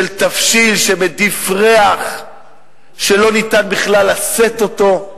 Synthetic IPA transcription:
elt̪afʃilʃemed̪ifʁeaχ | ʃe̞lo̞nit̪anbiχlalːaset̪ot̪o̞

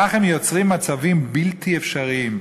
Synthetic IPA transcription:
aχhemjot͡sʁimːat͡savimbilt̪ʰiefʃaʁiim

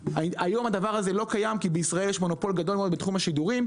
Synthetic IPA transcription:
aajo̞mad̪avaʁazelo̞kajamkibeisʁaeljeʃmo̞no̞po̞lɡad̪o̞lmeod̪bet̪χumaʃid̪uʁim

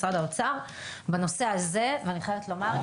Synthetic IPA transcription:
sʁad̪aot͡saʁ | beno̞se̞aze̞veaniχajevet̪lo̞maʁ

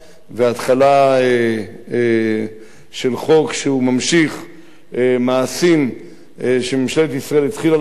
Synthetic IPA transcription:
veat̪χalae | e | ʃelχo̞kʃeumamʃiχ | emaːsin | ʃemimʃeletisʁae̞lit̪χilal

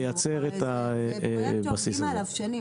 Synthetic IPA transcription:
jat͡se̞ʁet̪a | basis

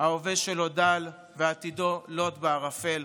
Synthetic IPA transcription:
haoveʃelo̞d̪al | veat̪id̪o̞lo̞t̪baaʁafe̞l

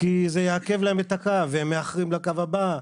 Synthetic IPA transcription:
kizejeake̞vlaemet̪akavːeemːeaχʁimlakavaba

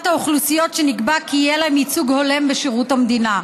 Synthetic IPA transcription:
t̪haoχlusijo̞tʃeniɡbakʰijelaemit͡suɡho̞le̞mbeʃiʁutamd̪ina

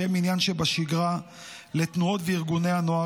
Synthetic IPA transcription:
eminjanʃebaʃiɡʁa | let̪nuo̞t̪veiʁɡune̞jhanoa

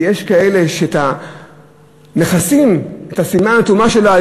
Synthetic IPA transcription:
jeʃkae̞le̞ʃeta | neχasimetasimanatumaʃe̞laa

